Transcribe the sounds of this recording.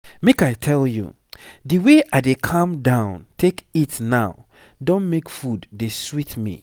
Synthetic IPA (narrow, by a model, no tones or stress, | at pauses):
mekaɪtʰɛljṵ | diweʔaɪdekʰãmdãʊ̃ntʰekitnaʊ | dõnmekfudːeswitmḭ